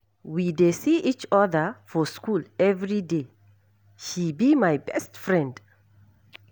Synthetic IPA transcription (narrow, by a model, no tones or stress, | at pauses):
widesiit͡ʃɔðəfɔskulɛvɹide | ʃibimajbɛstfɹɛ̃nd